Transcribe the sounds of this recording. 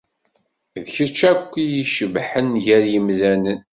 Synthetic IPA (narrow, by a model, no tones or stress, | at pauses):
ðçət͡ʃːækʷːijiʃəvħənʝæɾjəmzænən